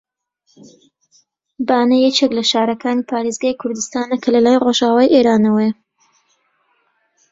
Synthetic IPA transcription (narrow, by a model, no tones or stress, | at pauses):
baːnɐjɛt͡ʃeklɐʃaːɾɐkʰaːniːpʰaːɾeːzɡaːjkʰʊɾd̪ɨst̪aːnɐkʰɐlɐlaːjroʒaːwaːjʔeːɾaːnɐwej